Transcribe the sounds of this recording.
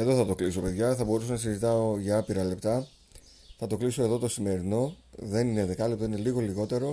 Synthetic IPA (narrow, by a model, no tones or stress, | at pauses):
ɐðoθɐt̪o̞kliso̞pe̞ðʝɐθɐbo̞ɾusonɐsizit̪ɐo̞ʝɐɐpiɾɐle̞pt̪ɐ | θɐt̪o̞kliso̞e̞ðo̞t̪o̞sime̞ɾino̞ðe̞nineðekɐlept̪o̞ine̞liɣo̞liɣo̞t̪e̞ɾo̞